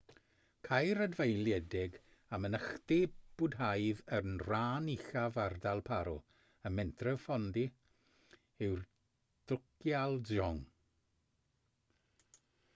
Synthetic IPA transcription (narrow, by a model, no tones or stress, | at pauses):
kʰajɾədvejlˠjɛdɪɡ | amənəχd̥ib̥ʊdɦajðənraːniɬavardalˠpʰaɾɔ | əmɛntʰrɛvfɔndi | ɪwr | d̥ʊkjalˠɔŋ